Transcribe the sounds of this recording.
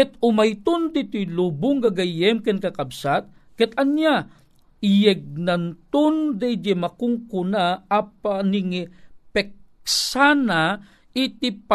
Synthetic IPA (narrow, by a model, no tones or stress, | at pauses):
kɛt̪ʊmajt̪ʊnd̪it̪ʊjlubʊŋɡaɡajɛmkɛnkakabsat̪̚ | kɛt̪anja | ɪjɛɡ̚nant̪ʊnd̪ɛjd͡ʒɛmakʊŋkʊnaapanɪŋipɛk̚sana | ɪt̪ipa